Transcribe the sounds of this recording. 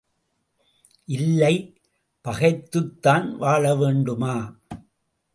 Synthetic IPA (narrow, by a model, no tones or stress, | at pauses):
ʔɪlːɐɪ | pɐɣɐɪt̪ːɯt̪ːaːnʋaːɭɐʋeːɳɖɯmaː